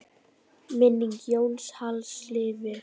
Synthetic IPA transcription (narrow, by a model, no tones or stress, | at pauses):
mɪnːiŋkjoːwlshalslɪːvɪ